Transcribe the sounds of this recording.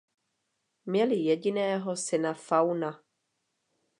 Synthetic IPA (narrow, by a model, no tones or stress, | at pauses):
mɲɛlɪjɛɟɪnɛːɦosɪnafawna